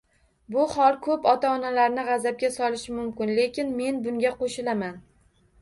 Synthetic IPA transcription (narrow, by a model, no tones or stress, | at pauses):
bʊhɒlˠkʰɵpɒt̪ʰaɒnalaɾnɪʁɑzab̚ɡʲasɒlɪʃɪmʊmkʲɪnle̞kʲɪnme̞nbʊŋɡʲaqoʃɪlaman